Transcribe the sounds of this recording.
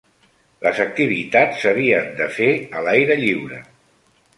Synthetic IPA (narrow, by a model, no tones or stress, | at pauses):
ləzək̚t̪iβ̞it̪at͡sːəβ̞iənd̪əfeəlajɾəʎiwɾə̰